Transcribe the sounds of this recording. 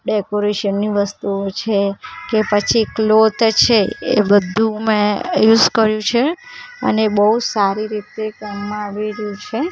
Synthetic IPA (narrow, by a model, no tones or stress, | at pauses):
ɖekoɾeʃənːiʋəst̪uot͡ʃʰekepət͡ʃʰiklot̪t͡ʃʰeḛbəd̪ʱũmẽjuzkəɾjũt͡ʃʰeə̰nebəɦusaɾiɾit̪ekɛmːãaʋiɾjũt͡ʃʰe